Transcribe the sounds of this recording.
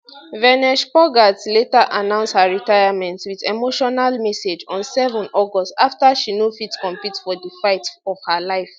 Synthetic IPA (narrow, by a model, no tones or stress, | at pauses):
vɛnɛʃpɔɡatletaʔanãʊ̃nshaɹitajamɛ̃ntswiðemoʃɔnalmɛsed͡ʒɔ̃nsɛvɔ̃nɔɡɔstaftaʃinofitkɔ̃mpitfɔdəfaɪtɔv̥halaɪf